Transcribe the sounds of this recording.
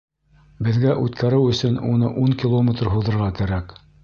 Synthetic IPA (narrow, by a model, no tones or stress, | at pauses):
bɘ̆ðɡæʔʉt̪kæɾɘwɵ̆sɵnunɤ̰ʔuŋkʲilˠomʲet̪rɦuðɤ̆ɾʁɑkæɾæk